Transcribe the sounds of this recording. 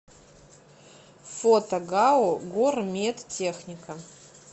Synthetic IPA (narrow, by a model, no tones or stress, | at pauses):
fot̪ɐɡaoɡormʲet̪tʲexnʲɪkə